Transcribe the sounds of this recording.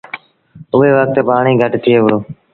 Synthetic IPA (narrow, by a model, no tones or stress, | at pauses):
ʊʋeːʋək̚t̪paːɳiːɡʱəʈt̪ʰɪeːʋɾoː